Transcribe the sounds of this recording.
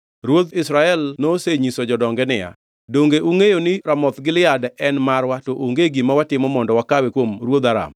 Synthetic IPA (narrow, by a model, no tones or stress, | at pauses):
ɾwod̪ɪsɾaɛlnoseɲisod͡ʒɔdɔŋɡɛnɪja̰ | doŋɡeʔuŋejonɪɾamɔt̪ɡɪlɪadɛnmarwatoʔoŋɡeɡimawatɪmɔmɔndɔwakawekwomɾwod̪aɾa̰m